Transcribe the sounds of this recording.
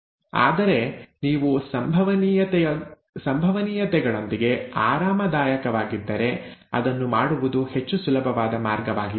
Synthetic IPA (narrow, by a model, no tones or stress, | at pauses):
a̰ːd̪ɐɾe̞niːʋusɐmbʱɐʋɐn | sɐmbʱɐʋɐniːjɐt̪ɛɡɐɭo̞nd̪iɡe̞aːɾaːmɐd̪aːjɐkɐʋaːɡid̪ːɐɾe̞ɐ̰d̪ɐnːumaːɽuʋud̪uhe̞t͡ʃːusulɐbʱɐʋaːd̪ɐmaːɾɡɐʋaːɡi